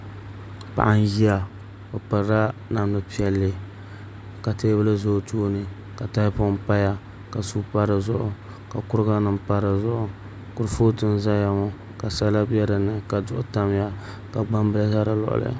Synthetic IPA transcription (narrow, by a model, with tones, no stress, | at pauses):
pa̰˨ʔa˦n˦ji˦a˦ | o˨pɨ˨ɾɾa˦na˨m˦nɨ˨pi˦ɛ˦lːɨ˨ | ka˨teː˦bɨ˦lɨ˦zo˦tuː˦nɨ˨ | ka˨ta˦pʊ˦m˦pa˦ja˦ | ka˨su˦pa˦ɾɨ˨zʊ˦ʔʊ˨ | ka˨kʊ˦ɾɨ˦ɡa˦nɨ˨mpa˦ɾɨ˨zʊ˦ʔʊ˨ | kʊ˨ɾɨ˨fo˦tɨ˦n˦za˦ja˦mo˦ | ka˨sa˦la˦bɛ˦ɾɨ˨nɨ˨ka˨dʊ˦ʔʊ˦ta˦m˦ja˦ | ka˨ɡ͡ba˦mbɨ˦la˦za˦ɾa˦lɔ̰˨ʔʊ̰˨lɨ̰˦a̰˨